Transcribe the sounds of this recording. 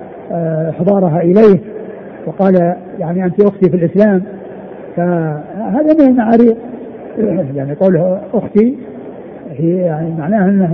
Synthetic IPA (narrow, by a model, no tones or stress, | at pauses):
ħɑðˤɑːɾˤɑɦaʔɪleːh | wɪqɑːlajaʕniʔant̪iʔʊxt̪ifɪlʔɪslaːm | fahaːðamɪlmaʕaːɾiːɣ | jaʕniqoːlhʔʊxt̪i | hijaʕnimaʕnaːhʔɪnːa